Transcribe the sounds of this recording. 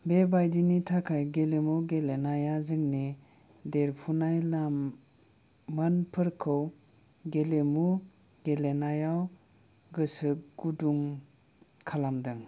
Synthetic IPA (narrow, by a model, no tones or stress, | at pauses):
bebajdinitʰakʰajɡelemuɡelenajazɯŋni | deɾpʰunajlam | ɯnpʰɯɾkʰɯw | ɡelemu | ɡelenajaw | ɡɯsɯɡ̥uduŋ | kʰalamdɯŋ